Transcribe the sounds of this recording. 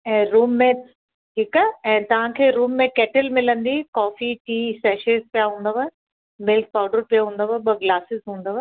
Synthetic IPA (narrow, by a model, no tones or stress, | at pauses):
ɛ̃ːɾuːmːẽ | ʈʰiːkaɛ̃ːt̪ɐʋ̤ãkʰeːɾuːmːẽkɛːʈɪlmɪlə̃nd̪ikɔːfiʈiːsɛːʃezpijaɦũːnd̪əʋa | mɪlk̚paːʊɖəɾpijaɦũːnd̪əʋɐɓɐɡlaːsɪzɦũːn̆d̪əʋɐ